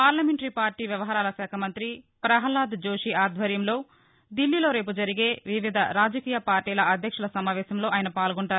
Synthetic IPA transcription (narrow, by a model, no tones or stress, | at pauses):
paːɾlɐmeɳʈɐɾipaːɾʈiːʋjɐʋɐɦaːɾaːlɐsɛːkʰɐmɐnt̪ɾi | pɾɐɦɐlaːd̪d͡ʒoːʂiaːd̪ʱʋɐɾjɐmlo̞ː | d̪ilːilo̞ːɾe̞ːpud͡ʒɐɾiɡe̞ːʋiʋid̪ʱɐɾaːd͡ʒɐkiːjɐpaːɾʈiːlɐʔɐd̪ʱjɐkʂɐlɐsɐmaːʋɛːsɐmlo̞ːʔaːjnɐpaːlɡoɳʈaːɾu